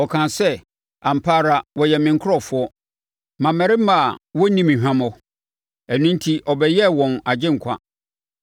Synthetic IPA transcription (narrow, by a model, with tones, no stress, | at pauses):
ɔ˨kʰã˨nsɛ˦ | ã˨m̩˨pʰaː˦˨ɾa˨wɔ˨jɛ˨mɪ̃˨ŋ̩˦kʰʊ˦ɾɔ˦fʊ˦ɔ˦ | mã˨mɛ˨ɾɪ˦mã˨wɔ˦nĩ˦mɪ̃˨hᶣã˦mɔ̃˨ | æ˨nũ˦n̩˦tʰi˦ʔɔ˨bɛ˨jɛ˦wɔ̃˨na˨d͡ʑɪ̃˦ŋ̩˨kʷʰa̰˦